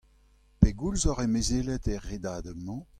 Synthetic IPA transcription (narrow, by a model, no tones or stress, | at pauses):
peɡulzɔʁemezeːlɛtɛʁːed̪aːd̪əmɑ̃